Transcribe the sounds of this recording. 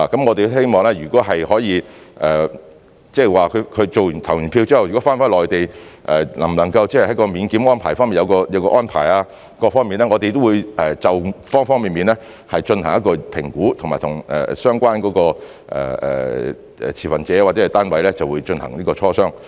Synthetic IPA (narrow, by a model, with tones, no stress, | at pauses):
a˨kɐ˨˥mŋɔː˨˧t̪e˨je˥jmɔː˨˧ŋlɛː˥jyː˨˩kɔː˨˥ɦɐ˨jhɔː˨˥jiː˨˧ʔɛː˨ | t͡sɛ˥˨waː˨kʰɵ˨˧˥kʰɵ˨˧ɥt͡so˨wy˨nt̪ʰɐ˨˩wjy˨npʰiː˧wt͡siː˥hɐ˨wjy˨kɔ˨˥faː˥nfaː˥˩lɔː˨jt̪e˨jʔɛ˨lɐ̰˨˩mlɐ˨˩ŋkɐ˧wt͡sɛ˥hjhɐ˨˥jkɔː˧miː˨˧nkiː˨˥mɔː˥npʰaː˨˩fɔː˥ŋmiː˨njɐ˧wkɔː˧jɐ˨˧wkɔː˧ʔɔː˥npʰa̰ː˨˩jaː˧ | kɔː˧fɔː˥ŋmiː˨nɛː˥ŋɔː˨˧t̪e˨jt̪̬o˥wuː˨˧jʔɛ˨t͡sɐ˨wfɔː˥ŋfɔː˥ŋmiː˨nmiː˨nlɛ˥ | hɐ˨jt͡ʃɵ˧nhɐ˨˩ŋjɐ˥t̚kɔː˧pʰɪ˨˩ŋkuː˨˥t̪ʰʊ˨ŋmaː˨˩jt̪ʰʊ˨˩ŋʔɛ̰ː˨˩sœː˥ŋkʷaː˥nkɔː˨˥kɔː˧ | ʔɛ̰ː˨˩ɛ̰ː˨ | ɛ̰˨t͡sʰiː˨˩fɐ˨nt͡sɛː˨˥waː˨˩t͡sɛ˦˥ɐ˨˩t̪aː˥nwɐ˨˥jlɛ˥t͡sɐ˨wuː˨˧jt͡ʃɵ˧nhɐ̰˨˩ŋniː˥kɔː˧t͡sʰɔː˥sœː˥ŋ